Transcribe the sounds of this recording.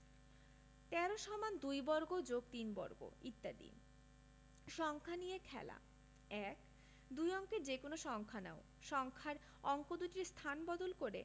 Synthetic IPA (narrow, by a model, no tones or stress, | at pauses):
t̪ɛɾoʃɔmand̪ujbɔɾɡod͡ʑoɡt̪inbɔ̰ɾɡo̰it̪ːad̪ḭn | ʃɔŋkʰanijekʰɛ̰la̰ | ɛk | d̪ujɔŋkeɾd͡ʑekonoʃɔŋkʰanao | ʃɔŋkʰaɾ | ɔŋkod̪uʈiɾst̪ʰanbɔd̪olkoɾe